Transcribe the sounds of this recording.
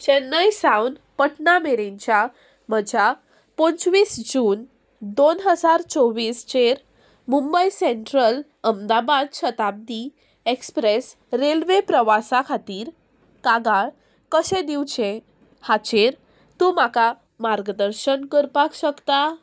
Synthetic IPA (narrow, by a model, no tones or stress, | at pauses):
ɕenːəjsawn | pəʈnameɾẽɲt͡ɕa | məd͡ʑʱa | pont͡sʋiːsd͡ʑuːn | d̪onɦəd͡zaɾt͡sɔʋiːst͡ɕeɾ | mumbəjseɳʈɾəl | əmd̪abad̪ɕət̪ab̚d̪i | ekspɾes | ɾelʋepɾəʋasakʰat̪iːɾ | kaɡaɭ | kəɕẽd̪iwt͡ɕẽ | hat͡ɕeɾ | t̪ũmaka | maɾɡd̪əɾɕənkəɾpakɕəkt̪a